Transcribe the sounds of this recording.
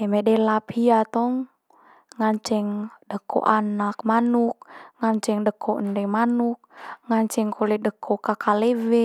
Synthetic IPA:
ɛmɛdɛlapiat̪ɔŋ | ŋaɲt͡ʃɛŋdəkʰɔ̰ʔanak̚manuk̚ŋaɲt͡ʃɛŋdəkʰɔʔəndɛmanuk̚ŋaɲt͡ʃɛŋkʰolɛdəkʰɔkakalɛwɛ

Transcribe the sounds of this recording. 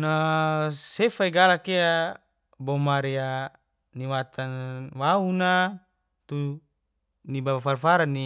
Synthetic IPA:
na | sefaiɡalakea | bomaɾia | niwat̪ʰanwauna | t̪u | nibaafarfaɾani

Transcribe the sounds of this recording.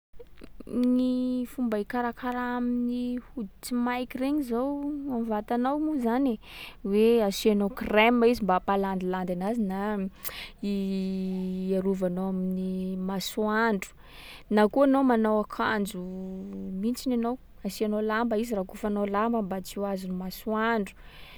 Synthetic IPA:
nifumbaikaɾakaɾaaminihud̪it͡simajkireɲizowamvat̪anawmuzaneweasianokremːaizimbapaland̪iland̪anazina | i | aɾuvanowaminimasuaɳɖ͡ʐu̥ | nakuanowmanawakʰand͡ʒu | mint͡sinanow | asianolambaizirakufanolambəmbat͡siazunumasuaɳɖ͡ʐu̥

